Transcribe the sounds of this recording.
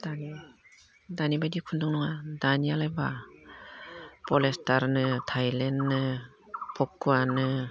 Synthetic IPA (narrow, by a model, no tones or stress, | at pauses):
d̥ani | danibajdikʰundɔŋnɔŋadanijalajba | pɔlestaɾnɯtʰajlenːɯ | pʰɔkːuanɯ